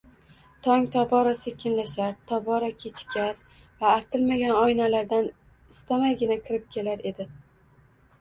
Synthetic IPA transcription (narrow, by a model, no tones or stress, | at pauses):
t̪ʰɒŋt̪ʰɒbɒɾɒsekʲʰɪnlaʃaɾt̪ʰɒbɒɾakʲʰet͡ʃʰɪ̥kʲʰaɾ | vaːɾt̪ʰɪlmaɡʲanɒjnalaɾd̪an | ɪst̪ʰamajɡʲɪnakʲʰɪɾɪp̚kʲʰe̞laɾe̞d̪ɪ